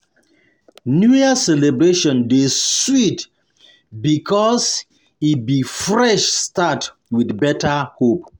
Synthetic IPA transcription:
njuasɛlebɹeʃɔ̃ndeswit | bikʰɔs | it̚bifɹɛʃstat | widbɛtahop̚

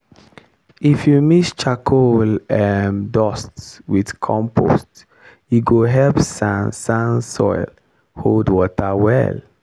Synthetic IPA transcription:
ifjumist͡ʃakʰolɛmdɔstswidkʰɔ̃mpʰo̰st | juɡoɦɛlpsãnsãnsɔ̰ɪl | holdwɔtawɛ̰l

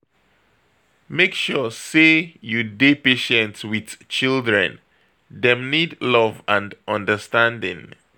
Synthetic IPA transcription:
mekʃɔsejudepeʃɛ̃ntwið̥t͡ʃildɹɛ̰̃n | ðɛ̃mnidlɔvãndʔɔ̃ndəstãndɪ̰̃ŋ

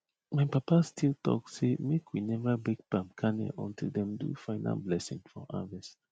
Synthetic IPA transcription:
mãɪpapastʰilˠtɔ̰ksemekʰwinɛvabik̚pãmkʰanḛʔɔ̃ntʰilˠdɛ̃mdṵfaɪnʔa̰lblɛsḭ̃ŋfɔa̰vɛst

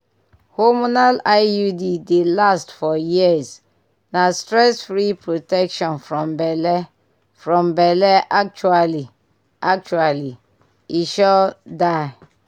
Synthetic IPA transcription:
homonalaɪjudidelastfɔjiəz | nastɾɛsfɾipɹotɛkʃɔ̃nfɹɔ̃mbɛlɛ | fɹɔ̃mbɛlɛʔak̚t͡ʃuali | ak̚t͡ʃuali | iʃɔdaɪ

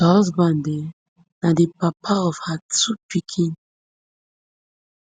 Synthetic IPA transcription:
ɔzbãnde | nadepapʰaɔvhatupikʰĩn

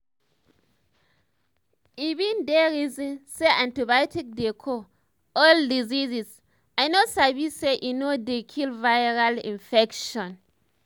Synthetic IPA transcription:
ivĩndɛɹizĩnseʔãntibatik̚dekʰo | ɔldizizis | ajnosabiseʔinodekʰilvajɹalḭ̃nfɛkʃɔ̃n

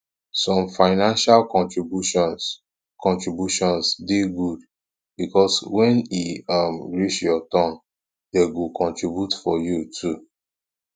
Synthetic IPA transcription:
sɔ̃mfaɪnãnʃalkɔ̃ntɹibu | kʰɔ̃ntɹibjuʃɔ̃nsdiɡud | bikɔswɛ̃niamɹit͡ʃjɔtɔ̃n | deɡukʰɔ̃ntɹibjutfɔjutʰu

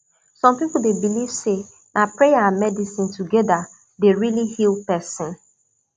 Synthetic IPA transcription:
sɔ̃mpipʊl̩debiliv̥se | napɾejaãnmɛdisɪ̃ntuɡɛda | deɹilihilpɛsɪ̃n

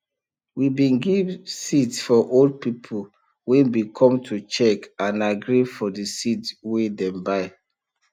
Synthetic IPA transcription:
wibĩnɡivsitsfɔʔold̚pipʰo | wɛ̃nbikʰɔ̃mtʰut͡ʃɛkãnaɡɾifɔdəsitwedɛ̃mbaɪ

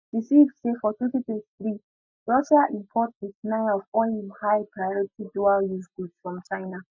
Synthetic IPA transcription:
ɹisivsefɔtʰwɛ̃ntitɛtiθɹi | ɹɔʃaʔĩmpʰɔtisnãɔvɔĩmhaɪpʰɹajɔɹitidualjuzɡudsfɹɔ̃mt͡ʃaɪna

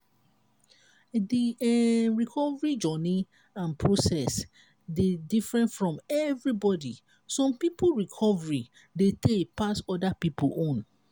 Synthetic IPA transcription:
diɛɹikʰɔvɹid͡ʒɔni | ãnpʰɹosɛs | dedifɹɛ̃ntfɹɔ̃mɛvɹibɔdi | sɔ̃mpipulɹikʰɔvɹi | detʰepasɔdapipulʔõn

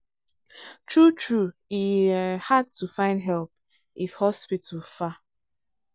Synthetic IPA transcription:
tɹut͡ʃɹuihad̚tʰufãɪ̃ndɦɛlp̚ | ʔifhɔspitʰəfa

